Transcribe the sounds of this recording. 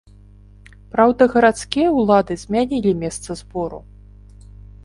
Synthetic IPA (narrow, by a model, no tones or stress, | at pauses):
pɾawd̪ɐɣɐɾat̪skʲijɐwlˠad̪ɨzʲmʲanʲilʲimʲɛst̪sɐzbɔɾṵ